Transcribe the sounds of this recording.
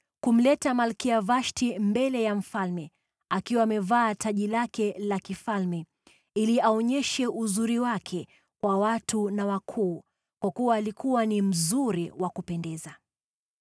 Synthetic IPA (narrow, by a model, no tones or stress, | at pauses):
kum̩lɛtamalkiavaʃtimbɛlɛjam̩falmɛ | akiwaːmɛvaːtʰaʄilakɛlakifalmɛ | iliaɔɲɛʃɛʔuzuɾiwakʰɛ | kwawatunawakʰuː | kwakuwaːlikuwanim̩zuɾiwakupɛndɛza